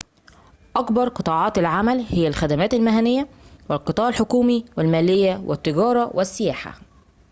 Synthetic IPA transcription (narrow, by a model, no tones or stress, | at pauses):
ʔɑkbɑɾˤqɨt̪ˤɑːʕɑːt̪ɪlʕamælhɪjːælxæd̪æmæːt̪ɪlmɪɦænɪjːæwɪlqɨt̪ˤɑːʕɪlħokuːmiwɪlmæːlɪjːæwʔɪ̰t̪ːɪɡɑːɾˤɑwʔɪsːɪjæːħa̰